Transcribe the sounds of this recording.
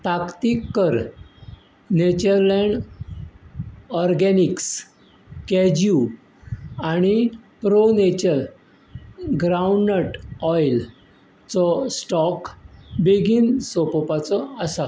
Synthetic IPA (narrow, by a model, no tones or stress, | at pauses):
t̪akt̪ikːəɾ | net͡ɕəɾlɛɳɖ | ɔɾɡɛniks | kɛd͡ʑu | aɽ̃ipɾonet͡ɕəɾ | ɡɾauɳɖnəʈɔjl | t͡sɔsʈɔkbeɡinsɔpɔpat͡sɔəsa